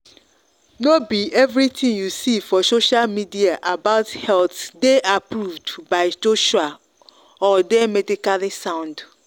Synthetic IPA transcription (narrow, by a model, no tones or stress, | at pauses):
nobiʔɛvɾitʰĩŋjusifɔsoʃalmidiaʔabaʊthɛlθdeʔapʰɾuvdbaɪsoʃa | ɔdɛmɛdikalisãʊ̃nd